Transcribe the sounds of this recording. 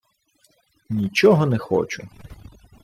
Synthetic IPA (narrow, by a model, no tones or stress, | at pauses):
nʲit͡ʃɔɦɔnɛxɔ̰t͡ʃʊ